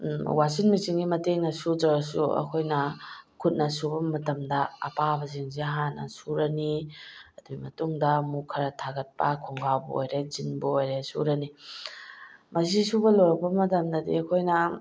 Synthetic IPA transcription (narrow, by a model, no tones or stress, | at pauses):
wasinmit͡ʃiŋɡimɐteŋnɐsudɾɐɾɐsṵɐ̰kʰojnɐkʰut̚nɐsubɐmɐtɐmdɐɐ̰pabɐziŋzeɐɦanɐ̰suɾɐniɐduimɐtuŋdɐmukʰɐɾɐtʰaɡɐt̚pɐkʰoŋɡawbuo̰jɾezinbuojɾesṵɾɐni | mɐs̬isubɐlojɾɐk̚pɐmɐtɐmdɐdḭɐkʰojnɐ